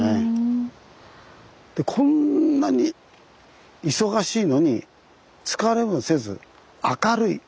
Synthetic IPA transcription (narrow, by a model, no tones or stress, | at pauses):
e | d̪̥e̞kʰõ̞nːaɲ̟i | iso̞ɡaɕiːno̞ɲ̟i | t͡sɨ̥kaɾe̞bɯse̞zɨ̰ | akaɾɯḭ